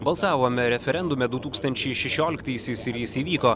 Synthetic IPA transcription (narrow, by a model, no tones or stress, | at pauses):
bɐlˠsɑːʋoːmʲɛɾʲɛfʲɛɾʲɛnd̪ʊmʲɛd̪ʊt̪uːkst̪ɐnʲt͡ʃʲɛɪʃʲɛʃʲoːlʲɪkt̪ɐɪsʲɪsɪɾjɪsiːʋʲiːkoː